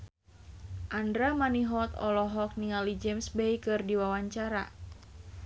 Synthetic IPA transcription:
ʔandɾamaniɦɔt̪ɔ̰lɔɦɔk̚niŋalid͡ʒɛmsbɛjkɨrdiwawaɲt͡ʃaɾa̰

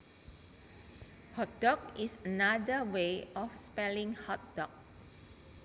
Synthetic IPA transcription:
hɔt̪̚d̥ɔk̚isənadəweɔfspɛlĩŋhɔt̪̚d̥ɔk̚

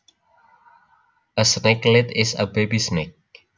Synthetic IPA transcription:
əsneklɪtɪzə̰bebisnek̚

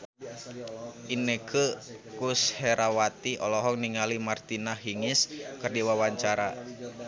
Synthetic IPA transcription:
ʔinekʰəkusheɾʔawat̪iʔɔlɔɦɔŋniŋalimart̪inaɦiŋɪskɨrdiwawaɲt͡ʃaɾa

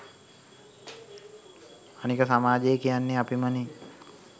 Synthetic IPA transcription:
anikəsamaːd͡ʒejekijanːeapiməni

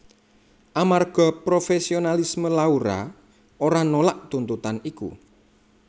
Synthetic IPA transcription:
ʔamarɡ̥ɔ̤pɾofesionalisməlauɾa̰ | oɾanolaʔt̪unt̪ut̪anikṵ

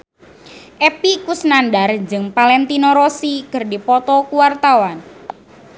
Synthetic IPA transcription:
ʔɛpikusnandard͡ʒɨŋpalɛnt̪inɔɾɔsikərdipɔt̪ɔkuwart̪awan

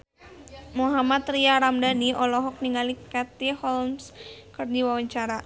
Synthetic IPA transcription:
muɦamat̪riaɾamdaniʔɔlɔɦɔk̚niŋɡalikat̪ihɔlmskɨrd͡ʒiwawaɲt͡ʃaɾa

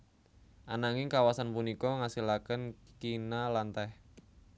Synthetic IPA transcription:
ʔanaŋɪŋkawasanpunikɔŋasilakənkinalant̪ɛh

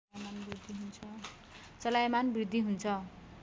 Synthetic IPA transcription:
jmanbrid̪ʱːiɦunt͡sʰʌ | t͡sʌlajmanbrid̪ʱːiɦunt͡sʰʌ

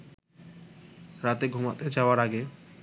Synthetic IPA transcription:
ɾat̪eɡʱumat̪ed͡ʒawaɾaɡe

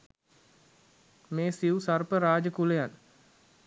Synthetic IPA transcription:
meːsiusarpəɾaːd͡ʒəkulejan

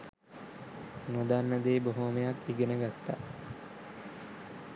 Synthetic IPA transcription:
nod̪anːɐd̪eːboɦomejakiɡenəɡat̪ːa

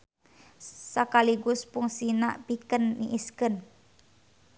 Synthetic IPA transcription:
sakaliɡʊspuŋsina̰pikənːḭʔiskən

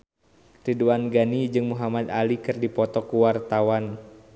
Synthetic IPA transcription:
riduanɡanid͡ʒɨŋmuɦamad̪alikɨrdipɔt̪ɔkuwart̪awan

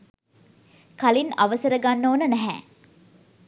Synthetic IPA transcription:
kalinaʋəsəɾəɡanːoːnənæɦɛ̰

